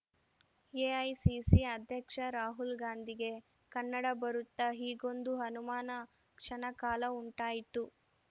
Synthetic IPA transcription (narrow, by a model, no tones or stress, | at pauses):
eːɐjsisiɐd̪ʱjɐkʂɐɾaːɦulɡaːnd̪ʱiɡe̞ | kɐnːɐɽɐbɐɾut̪ːɐɦiːɡo̞nd̪uɦɐnumaːnɐ | kʂɐnɐkaːlɐuɳʈaːjit̪u